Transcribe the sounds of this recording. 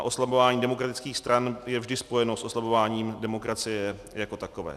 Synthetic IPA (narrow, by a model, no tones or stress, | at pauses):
ʔo̞slabovaːɲiːdɛmo̞kɾat̪ɪt͡skiːxst̪ɾʔanjɛvʒdɪspo̞jɛno̞sʔo̞slavo̞vaːɲiːmdɛmo̞kɾat͡sɪjɛ | jako̞t̪ako̞vɛ̰ː